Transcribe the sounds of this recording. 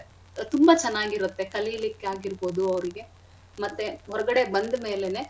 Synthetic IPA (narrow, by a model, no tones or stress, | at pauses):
t̪umbɐt͡ʃɛnːaːɡiɾut̪ːe̞kɐlijɐlikːeaːɡiɾbo̞ːd̪uɐʋɾiɡe̞ | mɐt̪ːeɦɔɾɐɡɐɽe̞bɐnd̪me̞ːlene̞ː